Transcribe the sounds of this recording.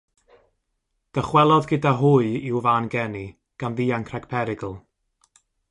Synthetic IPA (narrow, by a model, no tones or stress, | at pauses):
d̥əχwɛlˠɔðɡədaɦʊɨɪwvaːnɡɛni | ɡ̥anðiːaŋkʰraɡ̥pʰɛɾɪɡl̩ˠ